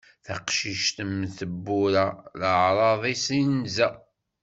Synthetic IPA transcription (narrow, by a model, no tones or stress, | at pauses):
θəqʃiʃt̪əmθəbːʊɾæləʕɾˤɑðˤisinzæ